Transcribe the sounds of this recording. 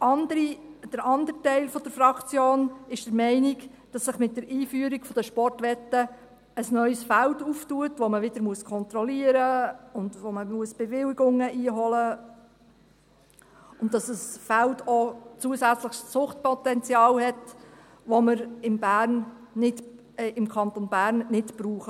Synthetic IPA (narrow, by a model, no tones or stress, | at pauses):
ɑndɾid̥əɾɑnd̪əɾtɛɪlfɔd̥əɾfɾɑkt͡sjoːnɪʃd̥əɾmɛɪniɡ | d̥ɑsːɪχmɪt̚dəɾiːfyəɾikfɔd̥əʃpɔrtʋɛtːə | əsnœʏsfælduftuətʋɔməʋɪd̥əɾmuəskʰɔnt̪ɾɔliəɾəʊndʋoməmuəsb̥ɛvɪliɡʊŋəʔiːɦɔlə | ʊnd̥ɑsəsfældʰot͡suəsæt͡sləχst͡sʊχt̚pʰɔt̪ɛnt͡sjɑːlhɛt | ʋɔməɾɪmbæːrnnɪt | ɪmkʰɑnt̪onbæːɾnːɪtb̥ɾuːχə